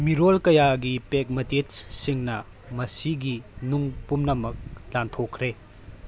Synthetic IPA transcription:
miɾolkɐjaɡipek̚mɐtet͡ʃsiŋnɐ | mɐsiɡinuŋpumnɐmɐk̚lantʰokʰɾe

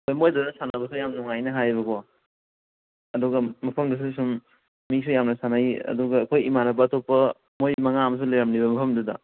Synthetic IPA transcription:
kʰojmojdanasanabɐs̬ujamnɔŋajnɐɦajbɐkɔ | ɐduɡɐmɐpʰɐmdɐs̬usum | misujamnɐsanajɐ̰duɡɐːkʰojimanɐbɐːtopːɐ | mojmɐŋamɐs̬ulajɾamliβɐmɐpʰɐmduda̰

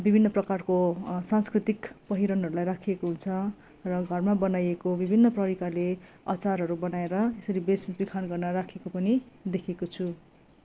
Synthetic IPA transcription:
bibʱinːʌprʌkarkosãnskrit̪ikpʌɦiɾʌnɦʌɾulajrakʰiekoɦunt͡sʰʌ | rʌɡʱʌrmabʌnajekobibʱinːʌprʌɾikale | ʌ̰t͡sarɦʌɾubʌnaeɾʌesʌɾibesinbikʰanɡʌrnʌrakʰekopʌnid̪ekʰekot͡sʰu

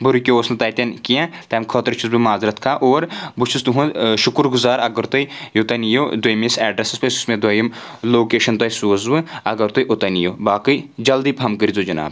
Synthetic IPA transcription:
buɾukʲooːsnɨt̪ɐːjt̪ʲɐnkijãt̪ɐːmkʰot̪ɐɾt͡ʃʰuzbimaːzɾɐt̪kʰaːʔoːɾbut͡ʃʰust̪uɦũʃʊkuɾɡʊzaːɾɐɡɐɾt̪ɐjjut̪ɐnijoːd̪wɐjmisɛːɖɾɐsɨspɐsu̥smẽd̪wɐjɐm | loːkeːʃɐnt̪ɐjsuːzʋɨɐɡɐɾt̪ojʔut̪ɐnijoːbaːkɨd͡ʒɐld̪ipɦɐmkɨɾizod͡ʒɐna̰ːb

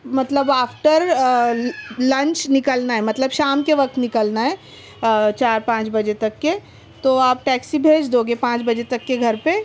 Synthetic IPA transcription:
mət̪ləbaːfʰʈəɾ | lɐ̃nt͡ʃnɪkəlnaɦɛmɐt̪ləbʃaːmkeʋɐk̚t̪nɪkəlnaɦɛ | t͡ʃaːɾpãːt͡ʃbəd͡ʒet̪ɐkːe | t̪oaːp̚ʈɛːksibʱeːd͡ʒd̪oɡepãːt͡ʃbəd͡ʒet̪ɐkːeɡʱɐɾpe

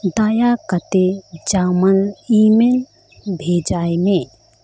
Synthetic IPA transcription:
d̪ajakət̪ed͡ʒaməlimel | bʱed͡ʒajmẽ

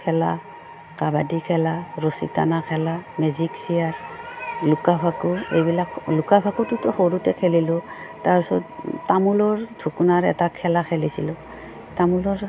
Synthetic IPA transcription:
kʰɛla̰ | kabadikʰɛlaɹosḭta̰nakʰɛlamɛziksijaɹlukabʱakuḛjbilaklukabʱakutʊtɔxoɹutɛkʰɛlilʊ | taɹpsɔ̰ttamulɔɹdʱukunaɹɛ̰takʰɛlakʰɛlisḭlʊ | tamulɔɹ

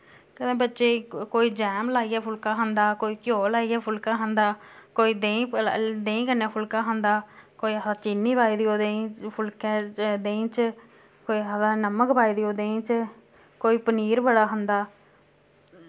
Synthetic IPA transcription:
kəd̪ẽːbətːʃeːkoːiːd͡ʒɛːmlaːijɛːpʰʊlkãːɦənd̪aːkoːiːkjoːlaːiːɛːpʰʊlkaːɦənd̪aːkoːiːd̪ẽːd̪ẽːĩːkəneːpʰʊlkãːɦənd̪aːkoːiːədaːt͡ʃiːnːiːbaːiːd̪iːoːd̪ẽpʰʊlkɛ̃ːd̪ẽːt͡ʃ | koːiːadaːnəməkbaːiːd̪iːoːd̪ẽːt͡ʃ | koːiːpəniːɾbəɽaːɦənd̪aː

